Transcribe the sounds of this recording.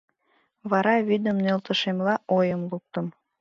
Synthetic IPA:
βɑɾɑβid̪əmnelt̪ə̆ʃemlɑʔojəmluk̚t̪ə̆m

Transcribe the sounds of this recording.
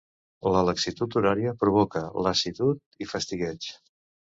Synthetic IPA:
lələksit̪ut̪uɾaɾiəpɾuβ̞ɔkələsit̪ut̪̚ifəst̪iɣɛt͡ʃ

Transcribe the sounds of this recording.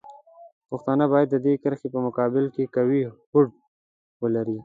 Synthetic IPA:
paxt̪ɑnabɑjad̪ːəd̪ekəɾxepəmʊkɑbɪlkekawihʊɖ̚ | wəlaɾi

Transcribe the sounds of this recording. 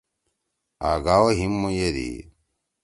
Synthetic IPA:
a̰ːɡawoɦimːujeɾḭ

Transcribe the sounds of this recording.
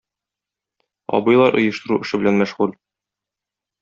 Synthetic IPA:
ɒ̰bɤ̆jlˠɑɾʔŏ̰jɤ̆ʃt̪ɤ̆ɾuʔɘ̆ʃɘ̆bɘ̆lænmæʃʁul

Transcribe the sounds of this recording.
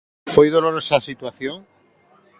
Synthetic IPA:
fojðoloɾosasit̪waθjoŋ

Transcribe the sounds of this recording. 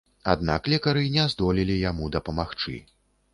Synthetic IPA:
a̰d̪̚na̰klʲɛkɐɾɨnʲɛzd̪ɔlʲilʲijamud̪ɐpɐmaxt͡ʂɨ̰

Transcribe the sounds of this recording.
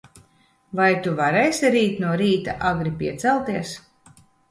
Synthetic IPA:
vajt̪uvaɾɛjsʲiɾiːt̪nuɔɾiːt̪aʔaɡɾipʲiɛt̪sɛlˠt̪iɛs

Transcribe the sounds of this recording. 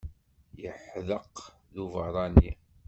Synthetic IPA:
jəħðəq | ðuvəɾˤɑni

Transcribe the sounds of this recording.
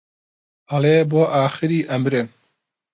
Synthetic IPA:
ɐleːboːʔaːxɨɾiːʔɐmɾen

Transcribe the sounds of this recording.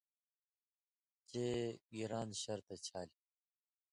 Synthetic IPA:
t͡ɕeːɡiɾaːnɕɐɾt̪et͡ɕʰaːl

